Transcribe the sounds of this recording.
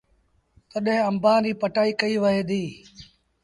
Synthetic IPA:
t̪əɗɦẽːəmbaːɾiːpəʈaːiːkəiːʋəɦeːd̪iː

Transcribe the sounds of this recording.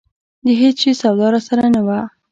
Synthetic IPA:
d̪əɦet͡sʃesawd̪ɑɾasaɾanawa

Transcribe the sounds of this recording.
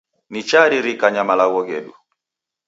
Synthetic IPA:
nit͡ʃaɾiɾikaɲamalaɣɔɣɛ̰ɗṵ

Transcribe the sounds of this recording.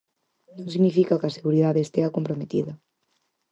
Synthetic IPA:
nõŋsiɣnifikakɐseɣuɾiðaðeːst̪eakompɾomet̪iðɐ

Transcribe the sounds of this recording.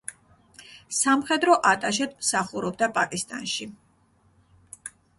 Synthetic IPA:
samχɛd̪ɾɔʔat̪ʼaʃ̬ɛd̪msaχuɾɔb̚d̪apʼakʼist̪ʼa̰nʃi

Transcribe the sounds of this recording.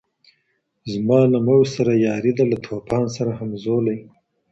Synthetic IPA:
zmɑːlamawsaɾajɑːɾid̪alat̪ʰopɑnsaɾahamzolaj

